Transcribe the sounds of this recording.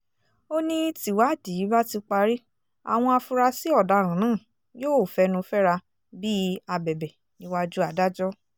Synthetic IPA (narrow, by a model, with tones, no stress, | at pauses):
o˦nĩ˦ti˨wa˦˨di˨˦ba˦ti˧k͡pa˧ɾi˦ | a̰˨w̃ɔ̃˧a˧fũ˧ɾa˧si˨˦ɔ˦˨da˨˦ɾ̃ã˨nãː˦˨ | joː˦˨fɛ˧nũ˧fɛ˦ɾa˧ | bi˦a˧bɛ˨bɛ˨ | nĩ˨˦wa˦d͡ʒu˦a˧˨da˦d͡ʒɔ˦